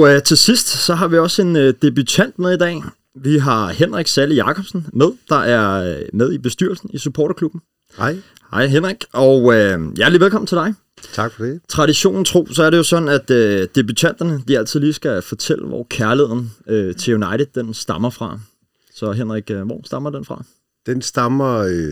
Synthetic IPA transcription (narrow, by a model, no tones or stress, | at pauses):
ɒt͡sʰe̝sisd̥sɒ̽ɦɑ̈ʋiɒ̽se̝nød̥e̝b̥yt͡sʰæn̰d̥með̞ˠid̥ɛ̰ː | ʋiɦɑ̈henʁaɡ̥sæləjɑ̈kʰɒ̽b̥sn̩með̞ˠd̥ɑ̈ʔæɐmeð̞ˠib̥e̝sd̥y̰ɐ̰lsn̩isupʰɒ̰ːɾ̥ɐkʰlub̥n̩ | hɑɪ̰ɦen̰ʁaɡ̥ɒøjæɐd̥liʋelkɒ̽mn̩t͡sʰe̝ld̥ɑ̈ɪ | t͡sʰɑɡ̥fɒd̥et͡sʰʁɑ̈ɾiɕo̝̰ːnn̩t͡sʰʁo̝̰ːsɒæɐɾe̝jo̝sɒ̽d̥n̩æd̥ød̥e̝byt͡sʰæn̰d̥ɐnəd̥iæl̰t͡sʰiðˠliːsɡ̥æfɒ̽t͡sʰel̰əʋɒ̰kʰæɐlie̝ð̰ˠn̩øt͡sʰe̝junɑ̈ɪɾ̥ð̩ˠd̥ensd̥ɑ̈mɐfʁɑ̈ | sɒ̽ɦenʁaɡ̥ʋɒ̰sd̥ɑ̈mɐd̥enfʁɑ̈ | d̥ensd̥ɑmɐ